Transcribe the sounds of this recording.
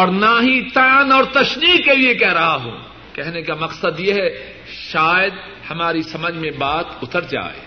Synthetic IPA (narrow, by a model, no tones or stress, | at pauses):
ɔːɾnaɦit̪aːnɔːɾt̪ɐʃniːkːeliekɛɦɾɐɦaɦṵ̃ | kɛɦnekamɐqsəd̪jeɦɛ | ʃaːjəd̪ | hɐmaːɾisɐməd͡ʒʱmẽbaːt̪ʊt̪əɾd͡ʒa̰ːḛː